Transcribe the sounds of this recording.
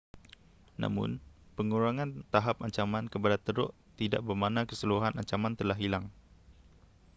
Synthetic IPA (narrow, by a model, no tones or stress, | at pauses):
na̰mʊ̰npəŋuɾaŋãnt̪aɦap̚aɲt͡ʃamankəpadat̪əɾʊ̰ʔ | t̪ida̰ʔbərmanãkəsəluɦanaɲt͡ʃamant̪əlaɦilaŋ